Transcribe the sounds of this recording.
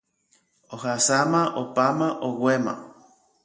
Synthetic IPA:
ohasamãʔopamãʔowʷemã̰

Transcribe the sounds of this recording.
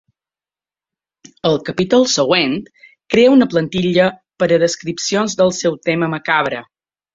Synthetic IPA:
əlˠkəpit̪ulˠsəɣwent̪ | kɾeəunəplənt̪iʎəpəɾəðəskɾipsionzðəlˠsɛwt̪eməməkaβɾə̰

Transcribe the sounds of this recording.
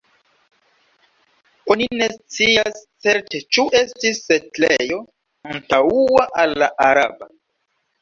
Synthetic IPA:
onine̞st͡siast͡se̞ɾtet͡ʃuʔe̞stisːetlejo̞ | antauaʔalːaʔaɾaba

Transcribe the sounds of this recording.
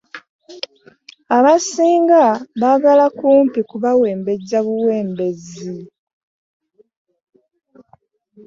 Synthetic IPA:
aβasiːŋɡaβaɡalakuːmpikuβawe̞ːmbe̞ɟaβuwe̞ːmbe̞zi

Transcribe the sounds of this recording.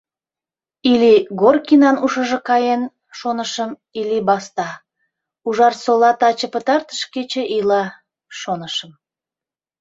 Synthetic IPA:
iliɡorkinɑnuʃəʒə̆kɑjen | ʃonəʃəm | ilibɑst̪ɑ | uʒɑrsolɑt̪ɑt͡ɕə̆pət̪ɑrt̪ə̥ʃket͡ɕeʔilɑ | ʃonəʃəm

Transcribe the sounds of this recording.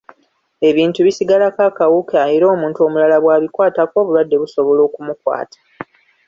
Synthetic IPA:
e̞βiːntuβisiɡalakakawukeajiɾo̞ːmuːntuo̞mulalaβwaːβikwaːtako̞ːβulwadːe̞βuso̞βo̞lo̞ːkumukwa̰ːtʰḁ

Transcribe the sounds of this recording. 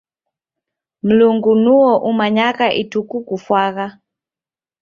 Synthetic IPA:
m̩luŋɡunuɔʔumaɲakaʔitukukufwaka

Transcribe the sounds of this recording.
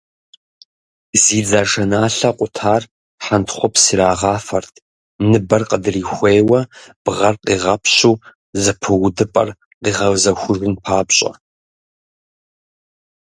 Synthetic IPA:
ziːd͡zaːʒɐnaːɬɐqʷʼʊtʰaːr | ħantʰχʷɔpsiːɾaːʁɑːfɐrtʰ | nɨbɐrqədɨriːxʷeːwɐb̥ʁɐrqiːʁɐpʰɕuː | zɨpʰɨwʊdɨpʼɐ̰r | qiːʁɐwzɐxʷʊʐɨnpʰaːbɕʼɐ̰

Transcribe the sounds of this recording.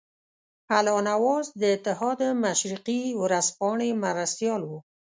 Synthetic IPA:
halɑnawɑzd̪əɪt̪ɪɦɑd̪əmaʃɾiqiwɾaspɑɳemaɾast̪jɑlwu

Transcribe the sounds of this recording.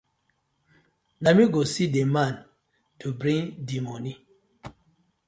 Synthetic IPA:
namiɡosidemãn | tʰubɾĩŋdimoni

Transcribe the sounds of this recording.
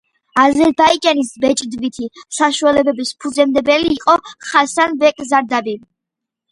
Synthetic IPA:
azɛɾbaid͡ʒʼanisbɛt͡ʃʼd̪vit̪ʰisaʃualɛbɛbispʰud̪zɛmd̪ɛbɛliːqʼɔχasanbɛkʼzaɾd̪abi

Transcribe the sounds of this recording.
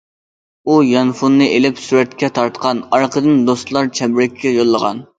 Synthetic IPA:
ujɑnfunːɨʔelɪpsuɾɛt̪kʲʰɛt̪ʰɑɾt̪qʰɑnɑɾqʰəd̪ɨnd̪ost̪lˠɑɾt͡ʃʰɛbɾɛkʲʰːɛjolˠːəʁɑ̰n

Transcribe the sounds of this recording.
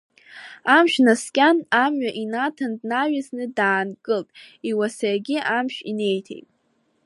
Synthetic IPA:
amʃᶣnaskʲʼanamɥaʔinatʰandnaɥaznɨdaːnkʼɨltʼiwasajɡʲɪʔamʃᶣḭne̞jtʰḛjtʼ

